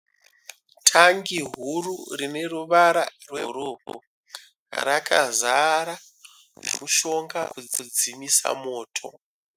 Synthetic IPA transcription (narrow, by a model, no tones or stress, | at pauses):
tʰaŋɡiɦururine̞ruʋaɾarwḛroːbo̰ | rakʰazaɾa | nḛmuʃo̞ŋɡakukud͡zimisa̰moːtʰo̞̰